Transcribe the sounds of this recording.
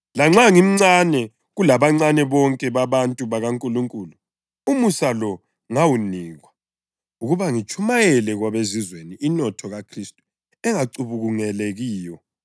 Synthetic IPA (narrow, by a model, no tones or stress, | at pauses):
laŋ͡ǁaŋim̩ŋ͡ǀanɛ | ɣulaβaŋ͡ǀanɛβɔŋkʼɛβaβantʼuβaɣaŋkʼuluŋkʼulu | umusalɔ | ŋawuniːɣwa | uɣuβaŋit͡ʃʼʰumajɛlɛɣwaβezizweniʔːnɔtʰɔɣakʰristʼu̥ | ɛŋaǀuβuɣuŋɛleɣiːjɔ